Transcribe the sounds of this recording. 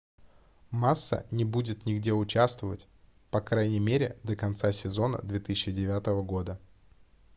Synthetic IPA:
masːə̰nʲɪbudʲɪt̪nʲɪɡdʲe̞ʊt͡ɕast̪vəvətʲ | pɐkɾajnʲɪmʲeɾʲɪd̪əkɐnt̪sasʲɪzo̞nə̰d̪vʲet̪ɨsʲɪɕːɪdʲɪvʲat̪əvəɡo̞d̪ə

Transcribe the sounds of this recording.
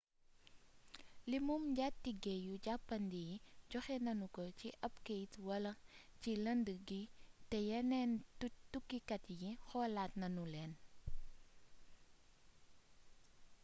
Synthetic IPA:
limumɟatːiɡɛjuɟapːɐndijiɟɔxɛnɐnukɔciʔɐpkejtwɐlɐcilɐndəɡitɛjɛnɛnutukːikɐtjixɔːlaːtnɐnulɛːn

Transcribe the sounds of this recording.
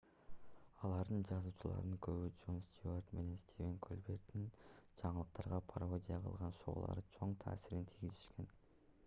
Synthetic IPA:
ɑlˠɑɾd̪ɨnd͡ʒɑzuːt͡ʃʰulˠɑ̰ɾnɯŋkʰɵβid͡ʒo̞nst̪ʲuart̪me̞ne̞nst̪ʲivʲeŋkʰolʲbe̞ɾd̪ind͡ʒɑɴəlˠəq̚t̪ɑɾʁɑpʰaɾod̪ʲijɑqʰɯ̰lˠʁɑnʃo̰ʁlˠɑ̰ɾət͡ʃʰo̞ɴt̪ʰɑ̰ːsiɾint̪ʰiɡʲiziʃkʲe̞n

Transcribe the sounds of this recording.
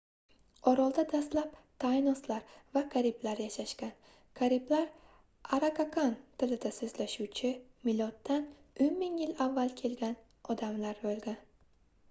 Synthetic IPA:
ɒɾɒlˠd̪ad̪ast̪lapt̪ʰajnɒslaɾvakʰaɾiblaɾjaʃaʃkʲan | kʰaɾiblaɾ | aɾakʰakʰant̪ʰɪlɪd̪asɵzlaʃuwt͡ʃʰɪmɪlɒt̪ːanʊjmɪŋjɪlavːalˠkʲʰe̞lɡʲan | ɒd̪amlaɾbolɡʲan

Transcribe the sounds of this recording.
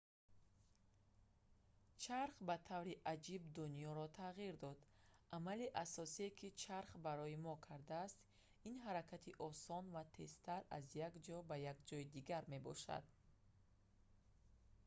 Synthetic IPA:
t͡ʃʰaɾχbat̪ʰavɾiʔad͡ʒibd̪unijɔɾɔt̪ʰaʁiɾd̪ɔd̪ʔamaliʔasɔsiekʰit͡ʃʰaɾχbaɾɔimɔkʰaɾd̪aːst̪ | inɦaɾakʰat̪ʰiʔɔsɔnvat̪ʰe̞st̪aɾa̰zjaɡd͡ʒɔbajaɡd͡ʒɔid̪iɡaɾme̞bɔ̰ʃa̰d̪̥

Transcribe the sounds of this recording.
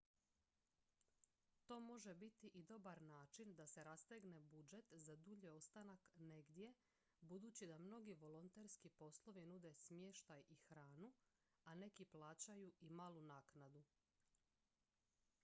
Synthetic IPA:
t̪o̞ːmo̞ʒe̞bit̪iʔid̪o̞baɾnaːt͡ʃind̪ase̞ɾast̪eɡne̞bud͡ʒe̞t̪zad̪uʎio̞st̪anakne̞ɡd̪je̞ | bud̪uːt͡ɕid̪amno̞ɡiʋo̞lont̪eɾskipo̞slˠo̞ʋinud̪e̞smje̞ʃt̪ajixɾaːnu | ane̞kiplˠaːt͡ɕajuimaːlˠunaːknad̪u

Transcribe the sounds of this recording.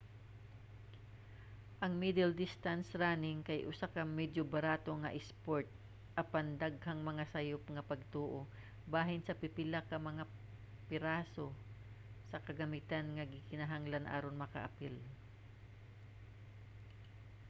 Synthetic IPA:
ʔɐŋmid̪ɛld̪ɪst̪ansɾaːnɪŋkɐjʔʊsakɐmɛd͡ʒobɐɾaːt̪oŋɐ̰ʔɪspoɹt̪̚ | ʔɐpand̪aɡ̚haŋmɐŋasɐjʊpŋɐpɐɡ̚t̪uːʔo | baːɦɪnsɐpɪpɪlakɐmɐŋa | pɪɾaːso̞ | sɐkɐɡɐmɪt̪anŋɐɡɪkɪnɐɦaŋlanʔa̰ːɾonmɐkɐ̰ʔa̰pɪl

